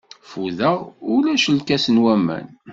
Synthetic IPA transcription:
fuðæulæʃəlkæsənwæmæ̰n

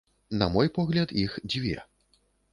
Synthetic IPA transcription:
nɐ̰mɔjpɔɣlʲɐd̪ixd͡zʲvʲɛ̰

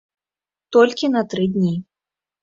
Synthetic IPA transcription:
t̪ɔlʲkʲinɐt̪ɾɨd̪ʲnʲi

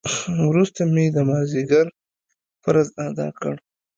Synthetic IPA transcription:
wɾust̪amed̪əmɑziɡaɾ | fəɾazad̪ɑ̰kə̰ɽ

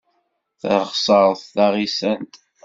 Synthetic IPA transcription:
θə̰ɾχsˤəɾˤθːaʁisænt̪

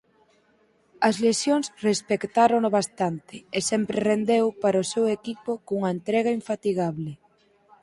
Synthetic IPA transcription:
ɐzlesjoŋsrespekt̪aɾonoβast̪ant̪ɪesɛmpɾerend̪ewpaɾosewekipokuŋɐent̪ɾɛɣ̞ɐiɱfat̪iɣ̞aβlɪ

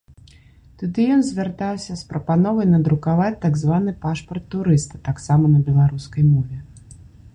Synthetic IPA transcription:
t̪ud̪ɨjɔnzʲvʲart̪awsʲɐspɾɐpanɔvɐjnɐd̪ɾukavat͡sʲt̪aɡzvanɨpaʂpɐrt̪ːuɾɨst̪ɐt̪aksamɐnɐbʲɛlˠaɾuskɐjmɔvʲɛ

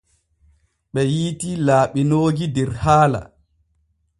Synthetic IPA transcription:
ɓɛjiːtilaːɓinoːɡidɛɾhaːla̰

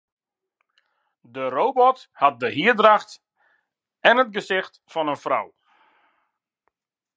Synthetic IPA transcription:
dərobɔthɑt̚dəɦiədraxt | ɛnətɡəsɪxtfɔnənfrɔ̰w

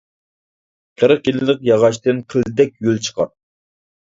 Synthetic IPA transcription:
qʰəɾəqjillɪqjɑʁɑʃt̪ɨnqʰəld̪ɛk̚ʲjølt͡ʃʰə̥qʰɑt̪̚

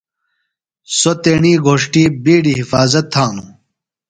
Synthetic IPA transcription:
sot̪eːɳiːɡʱoːʂʈiːbiːɽiːɦifaːzɐt̪ʰːãːnu

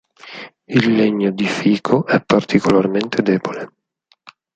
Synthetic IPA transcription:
ilːeɲːod̪ifiːkʰoʔɛpːart̪ʰikʰolarment̪ʰed̪ɛːbole

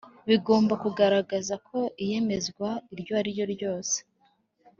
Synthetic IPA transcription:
βiɡo̞ːmbakuɡaɾaɡazakʰo̞ʔije̞me̞zɡwaiɾjo̞aɾijo̞ɾjo̞ːse̥

